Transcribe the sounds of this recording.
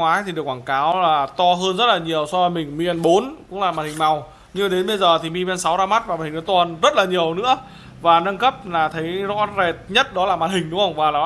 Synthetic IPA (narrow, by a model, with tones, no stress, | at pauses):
ŋwaː˨˦jt̪ʰi˨˩ɗək̚waː˧˩kaː˨˦wlaː˨˩t̪ɔ˧ɦəː˧nzə˦˥t̚laː˨˩ɲi˨˩əwsɔ˧və˨˦jmï˨˩ŋ̟mi˧ʔɛ˧nɓo˨˦nkʊ̰˧˥ŋ͡mlaː˨˩ma˨˩t̚hï˨˩ŋ̟ma˨˩w | ɲɨ˧a˨˧˩ɗe˨˦nɓə˧jzəː˨˩t̪ʰi˨˩mi˧mɛ˧nsa˨˦wzaː˧ma˦˥t̚vaː˨˩maː˨˩hi˨˩ŋʔt̪ɔ˧˩nzə˦˥t̚laː˨˩ɲi˨˩əwnɨ̰˧˥ə | vaː˨˩nə˧nkə˦˥p̚laː˨˩t̪ʰə˨˦jzɔ̰˧˥ze˨˩t̚ɲə˦˥t̚ɗɔ˨˦laː˨˩maː˨˩hï˨˩ŋ̟ɗʊ˨˦ŋə˧˩wŋ͡mvaː˨˩laː˨˩